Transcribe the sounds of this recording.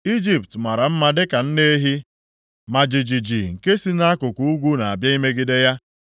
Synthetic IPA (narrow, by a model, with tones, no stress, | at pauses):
i˦d͡ʒi˨ptma˨ɾa˨m̩˦ma˦dɪ˦ka˨n̩˦ne˦ɦi˦ | ma˨d͡ʒi˨d͡ʒi˨d͡ʒi˨ŋ̩˨ke˦si˦na˦a˦kʊ˨ku˦u˦ɡʷu˦na˨a˨bja˦i˦me˦ɡɪ˦de˦ja˦